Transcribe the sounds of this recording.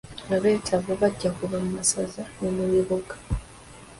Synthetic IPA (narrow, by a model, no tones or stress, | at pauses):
aβetʰaβoβaɟakuβamumasazanomuwiβoɡḁ